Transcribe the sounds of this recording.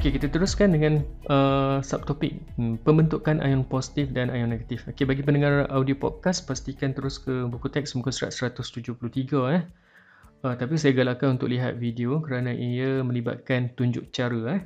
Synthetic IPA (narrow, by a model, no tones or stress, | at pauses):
okekit̪at̪əɾʊskandəŋãnʔəsap̚t̪opɪk̩̚pəmbənt̪uʔkːanʔa̰jɔŋposi̥t̪ifdanajɔŋnẽɡat̪ifokebaɡip̬əndəŋarawdiopɔ̰t̪̚kaspast̪ikant̪əɾʊskəbukut̪ɛk̚smukusəɾa̰t̪̚səɾat̪ʊst̪ud͡ʒʊhpuluht̪iɡaah | ət̪apis̬ajaɡalakanunt̪ʊ̰k̚liɦa̰t̪̚videokəɾanãʔijamə̃nliba̰t̪̚kant̪uɲd͡ʒʊ̰k̚t͡ʃaɾəah